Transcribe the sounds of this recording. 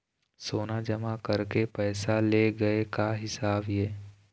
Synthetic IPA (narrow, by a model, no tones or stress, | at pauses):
soːnad͡ʒɐmakɐɾkepɛːsaleɡɐekaɦɪsaːbjeː